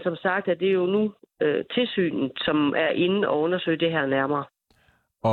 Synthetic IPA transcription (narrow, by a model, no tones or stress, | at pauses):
sɒ̽msɑ̈ɡ̥̚d̥æd̥e̝jo̝nuøt͡sʰe̝lsy̰ːnð̩sɒ̽mʔæɐʔe̝n̩ɒ̽ɔ̽nɐsø̰ɪ̰d̥e̝ɦɛɐ̰næɐmɐː